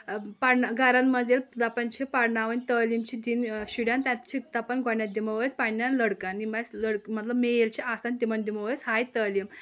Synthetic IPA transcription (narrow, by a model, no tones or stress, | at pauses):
paɽɳaɡaɾanməd͡zeld̪apənt͡ɕʰipaɽɳaʋənʲt̪əlimt͡ɕid̪inɕiɽjant̪ʲat̪t͡ɕit̪apənɡʱonjat̪̚d̪iməʋəjt͡spanːanləɽkanːimasləɽkmət̪ləbmejlt͡ɕiʔasand̪imand̪iməʋəjt͡sɦajt̪əlim